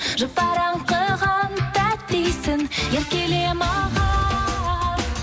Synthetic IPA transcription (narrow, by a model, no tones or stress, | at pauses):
ʒəp̚p̪ɑɾɑmqəʁɑnt̪æt̪t̪ejsɪŋjeɾkʲelemɑʁɑ